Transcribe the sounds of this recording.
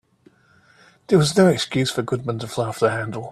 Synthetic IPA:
ðəwɒznoʊɛkskjʉz̥fə˞ɡʊd̚mə̃ntʰəflafðəhæ̃ndˡəl̩ˠ

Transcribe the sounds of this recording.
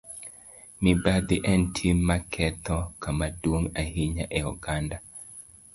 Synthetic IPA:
mibad̪iʔɛntʰimːakʰɛt̪ɔkamadwoŋahiɲaʔɛɔ̰ɡanda

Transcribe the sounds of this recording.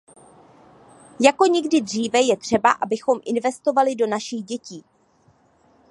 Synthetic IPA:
jako̞ɲɛɡdɪdr̝iːvɛjɛt̪r̝̥ɛba̰ʔa̰bɪxo̞mʔɪnvɛst̪o̞valɪdo̞naʃɪɣɟɛciː

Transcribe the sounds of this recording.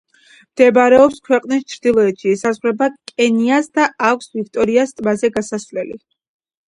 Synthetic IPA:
md̪̥ɛbɾɛɔpskʰwɛqʼnist͡ʃʰɾd̪ilˠɔɛt̪ʃiɛsazʁɾɛbakʼɛniasd̪aakʷʰsvik̚ʰt̪ʼɔɾiast̪ʼmazɛɡasasvlɛlḭ

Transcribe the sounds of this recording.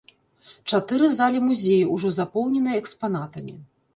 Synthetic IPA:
t͡ʂat̪ɨɾɨzalʲimuzʲejiuʐɔzapɔwnʲɛnɨjɐɛkspanat̪ɐmʲi

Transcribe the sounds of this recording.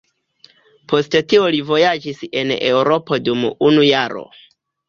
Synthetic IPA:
pʰo̞stetiolivo̞jad͡ʒise̞ne̞wɾopo̞dumunujaɾo̞̰

